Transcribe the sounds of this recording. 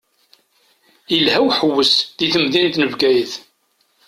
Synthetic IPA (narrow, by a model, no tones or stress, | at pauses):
ilɦæwħəwːəsðiθəmðint̪nəvɡæjəθ